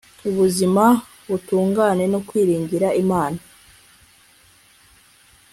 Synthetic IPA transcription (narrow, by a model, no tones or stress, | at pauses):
uβuzima | βutuːŋɡaːne̞nokwiːɾiːɲɟiɾaʔimaːna